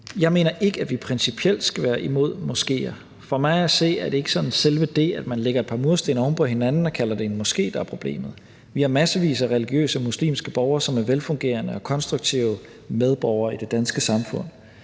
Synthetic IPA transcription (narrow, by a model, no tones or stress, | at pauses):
jɑ̈ɪme̝̰ːnɐʔe̝ɡ̥əæd̥ʋipʰʁɛnsipʰiel̰d̥sɡ̥æʋæːɐʔimo̝ð̞̰ˠmɒ̽sɡ̥e̝̰ːɐ | fɒ̽mɑ̈ɪæse̝̰ːæɐd̥e̝e̝ɡ̥ə̥sɒ̽nnselʋəd̥e̝̰ːæd̥mænleɡ̥ɐe̝d̚pʰɑ̈mo̝ðˠsd̥e̝ːnɐɒmpʰɒ̽he̝nænn̩ɒ̽kʰælɐd̥eenmɒ̽sɡ̥e̝̰ːd̥ɑ̈æɐpʰʁo̝b̥le̝̰ːmð̩ˠ | ʋihɑ̈mæsəʋḭːsɐʁɛliɡ̥jø̰ːsəmuslḭːmsɡ̥əb̥ɒʊɐsɒ̽mæɐʋelfɔ̽ŋɡ̥e̝̰ːɐnəɒ̽kʰɒ̽nsd̥ʁuɡ̥̚t͡sʰiʊ | með̞ˠb̥ɒʊɐid̥e̝d̥ænsɡ̥əsɑ̈mfɔ̽n̰